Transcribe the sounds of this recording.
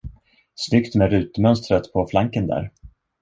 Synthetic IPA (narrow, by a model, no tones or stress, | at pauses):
snʏkt̪mɛɾʉ̟ːt̪mœnst̪ɾət̪pʰɔflaŋkənd̪æ̰ːɾ